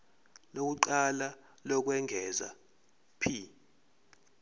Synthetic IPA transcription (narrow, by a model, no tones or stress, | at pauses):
lok̬uǃala | lɔk̬wɛŋʱɛːza̰ | pʰi